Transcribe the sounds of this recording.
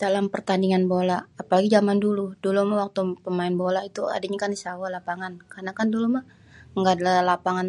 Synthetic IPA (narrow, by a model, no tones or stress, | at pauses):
d̥alampərt̪andiŋanbolaːpalaɡid͡ʒamanduludulumawak̚t̪upəmaɪnbolait̪ua̰daɲakandisawalapaŋankarnakanduluma | ŋɡadalalapaŋan